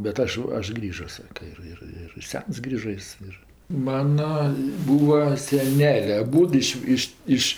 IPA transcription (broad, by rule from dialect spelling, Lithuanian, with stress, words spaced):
bʲɛt ˈɐʃ ˈɐʃ ˈɡrʲiːʒoː ˈsɑːkɐ ɪr ˈɪr ɪr ˈsʲɛns ˈɡrʲiːʒɐ ˈjɪs ɪr ˈmɑːnɐ ˈbuːʋɐ sʲɛˈnʲæːlʲeː ɐˈbuːdʊ ɪʃ ˈɪʃ ˈɪʃ